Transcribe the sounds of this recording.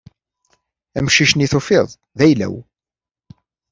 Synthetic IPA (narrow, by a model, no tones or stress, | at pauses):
æmʃiʃniθofɪðˤ | ðæjlæ̰w